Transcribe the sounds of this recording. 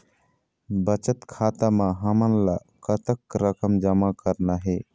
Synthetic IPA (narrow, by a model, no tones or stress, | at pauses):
bət͡ʃət̪kʰat̪amaɦəmənla | kət̪əkɾəkəmd͡ʒəmakəɾnaɦe